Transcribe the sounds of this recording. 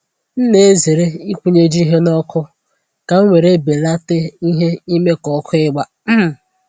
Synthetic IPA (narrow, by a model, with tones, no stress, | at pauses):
n̩˦ne˦e˦ze˨ɾe˦i˦kʷu˨ɲe˦d͡ʒi˦ɦe˦nɔ˦kʰʊ˦ | ka˨ŋ̩˦ŋʷe˨ɾe˦be˨la˦te˦i˦ɦe˦i˦me˦kɔ˨kʰʊ˦ɪ˦ɡ͡ba˦ | m̩˦m˨